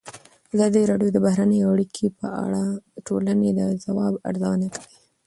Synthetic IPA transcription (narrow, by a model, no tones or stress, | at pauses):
azɑd̪əɾɑɖjod̪əbahɾanəjoaɽikʰepəa̰ɽaʈolaned̪əzawɑba̰ɾzawənakawi